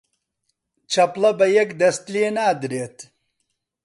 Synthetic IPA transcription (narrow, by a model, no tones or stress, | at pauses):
t͡ʃʰɐplɐbɐjɐkd̪ɐst̪lienaːd̪ɾeːt̪